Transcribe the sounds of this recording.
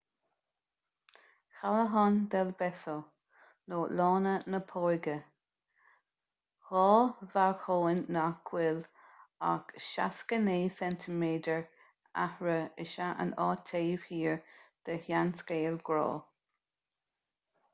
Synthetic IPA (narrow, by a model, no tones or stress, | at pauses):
xaləɦɔnd̪ɛlbɛso | noːlɔːnənəpʰɔjɡə | ɣɔːvaxʰoːɪnːakʰwɪla̰kʃaskəneːsɛnt̪ʰəmeːdəɹ | a̰hɹəəʃaʔə̰nɑːt̪ʰeːv̥hiːɹd̪̥əhjanskeːlɡɾɔ̰ː